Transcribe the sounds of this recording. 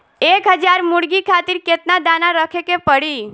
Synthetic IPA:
ekɦəd͡ʒaɾmuɽɡikʰat̪iɾket̪nad̪anaɾəkʰekepəɽi

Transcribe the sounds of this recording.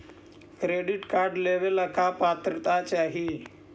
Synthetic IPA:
kɾeɖiʈkaɾɖleʋeləkapat̪ɾət̪at͡ɕaɦi

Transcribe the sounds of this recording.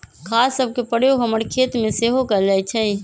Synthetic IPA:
kʰaːsːəb̚ʱkepəɽ̤joɡɦəməɽkʰeːt̪mẽseɦokəɾd͡ʒaːit͡ʃʰɛ̃

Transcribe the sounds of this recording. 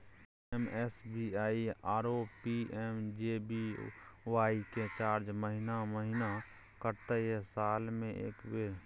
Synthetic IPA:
ɛmɛsbiaːiaːɾoːpiʔɛːmd͡ʒebiʋaːiket͡ʃaːɾd͡ʒməɦɪnaməɦɪna | kəɾt̪ejesaːlmẽʔḛːkbeːɾ

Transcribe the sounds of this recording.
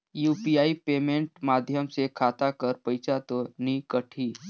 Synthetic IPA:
juːpijaːipeːmẽɳʈmaːd̪ʱjəmsekʰaːt̪akəɾpəɪt͡ʃat̪onikəʈʰiː

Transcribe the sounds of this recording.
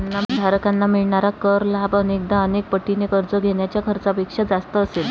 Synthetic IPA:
anːamd̪ʱaɾkanːamiɭɳaɾakəɾlabənek̚d̪aənek̚pəʈːinekəɾd͡zəɡʱeɽjat͡ɕjakʰəɾt͡sapekʂad͡zast̪əːsel

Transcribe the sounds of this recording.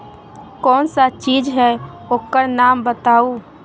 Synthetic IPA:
kɔːnsat͡ʃiːd͡ʒɦɛ | oːkːəɾnaːmbət̪aːu

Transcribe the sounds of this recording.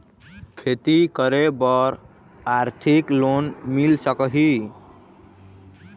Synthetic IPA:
kʰet̪ikəɾebəɾ | aɾt̪ʰiklonmilsəkəɦi

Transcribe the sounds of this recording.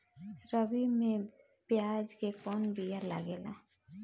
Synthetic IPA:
ɾəbimẽ | pjaːd͡ʒkekɔːnbʱijaɾla̰ɡeːla̰ː

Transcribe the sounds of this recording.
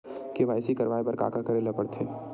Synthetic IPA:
keʋaːɪsikɐɾʋaːebɐɾka̰ːkakɐɾelɐpəɽt̪ʰeː

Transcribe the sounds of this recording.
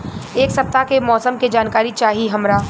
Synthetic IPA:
eːksɐp̚t̪akemɔːsəmked͡ʒaːnkaːɾit͡ʃaːɦiɦɐmɾaː

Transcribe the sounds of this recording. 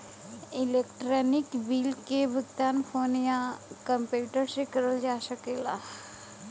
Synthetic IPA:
ɪleːkʈɾɔːnɪkbiːlkebʱəɡ̚t̪aːnpʰoːnijãkə̃mpjuːʈəɾsekɐɾəld͡ʒaːsəkela̰ː

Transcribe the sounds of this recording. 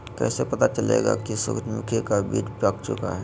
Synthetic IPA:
kɛ̰ːsepət̪at͡ʃəlḛɡa̰kisʊ̰kt̪mʊkʰikabiːʈpakt͡ʃʊ̰ka̰ɦɛ

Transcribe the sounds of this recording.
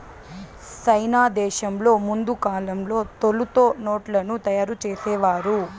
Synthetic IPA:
t͡ʃɐjnaːd̪ɛːʃɐmlo̞ːmund̪ukaːlɐmlo̞ːt̪olut̪o̞ːno̞ːʈlɐnut̪ɐjaːɾut͡ʃeːsɛːʋaːɾu

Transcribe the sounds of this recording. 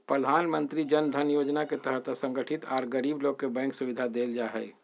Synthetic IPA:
pɾəd̪ʱaːnmə̃nt̪ɾid͡ʒənd̪ʱənjoːd͡ʒnaket̪əɦət̪sə̃ŋɡəʈʰɪt̪ʰaːɾɡəɾiːbloːɡ̚kebɛ̃ːŋksuʋɪd̪ʱad̪eːld͡ʒaɦɛː

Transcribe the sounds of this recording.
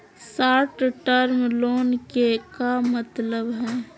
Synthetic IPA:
saːʈʈəɾmloːnkekamət̪ləbɦɛː

